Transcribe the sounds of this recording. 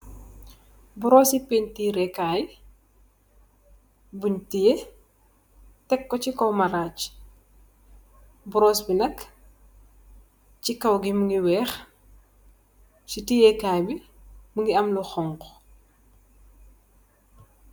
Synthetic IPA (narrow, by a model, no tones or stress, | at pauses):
bɔɾɔːsipeɲtiɾɛkaj | buɲtije | tɛkːɔcikɔwmɐɾat͡ʃ | bɔɾɔːsbinɐk | t͡ʃikɐwɡimuŋɡiwɛːx | citijɛkaːjbi | muŋɡiɐmluxɔŋkɔ